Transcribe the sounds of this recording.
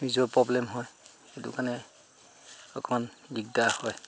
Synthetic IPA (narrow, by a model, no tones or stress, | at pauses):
nizɔpɹɔblɛmɦɔj | etṵkaɹnɛ | ɔ̰kʰɔmanbiɡ̚dahɔj